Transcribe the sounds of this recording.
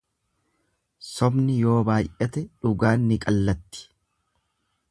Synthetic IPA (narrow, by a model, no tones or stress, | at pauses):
sɔbnɪjo̞ːbaːjʔɛt̪ɛᶑʊɡaːnːɪkʼɐlːɐt̪ːɪ̥